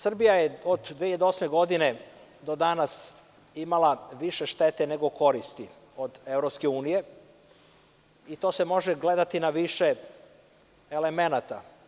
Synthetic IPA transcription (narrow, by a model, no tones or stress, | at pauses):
sr̩bijajeod̪d̪ʋeʎed̪eosme̞ɡo̞d̪ine̞ | d̪o̞d̪anas | imalˠaʋiʃeʃt̪e̞t̪ene̞ɡo̞ko̞ɾist̪i | o̞d̪e̞vɾopske̞uːnije̞ | it̪o̞ːse̞mo̞ʒeɡle̞d̪at̪inaʋiʃe | ele̞me̞nat̪a